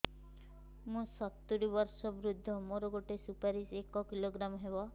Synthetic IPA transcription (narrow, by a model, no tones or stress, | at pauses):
mũsɔt̪ːuɾibɔɾsɔbɾud̪ʱːɔmoɾɔɡoʈesupaɾisekɔkiloɡɾamɦebɔ